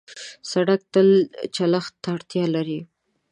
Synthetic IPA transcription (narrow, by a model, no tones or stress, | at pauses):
saɽak̚t̪əlt͡ʃalaxt̪ːaɽt̪jɑlaɾi